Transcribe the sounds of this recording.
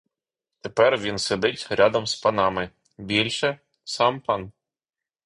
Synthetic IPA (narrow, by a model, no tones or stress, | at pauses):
t̪epɛrʋʲinsed̪ɪtʲɾʲʔɑd̪ɐmspɐnɑmɪ | bʲilʲʃɛ | sɑmpɑn